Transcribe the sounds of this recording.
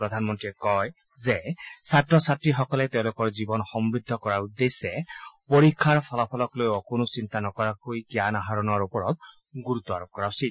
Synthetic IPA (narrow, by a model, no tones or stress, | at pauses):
pɹɔd̪ʱanmɔntɹiɛkɔj | zɛsatɹɔsatɹixɔkɔlɛt̪eʊ̃lʊkɔɹzibɔnxɔmbɹid̪ʱːɔkɔɹaɹud̪ːesɛpoɹikʰːaɹpʰɔlapʰɔlɔklojɔkonʊsint̪anɔkɔɹakojkijanaɦaɹɔnɔaɹupɔɹɔt̪̚ | ɡuɹut̪ːɔaɹop̚kɔɹaʊsi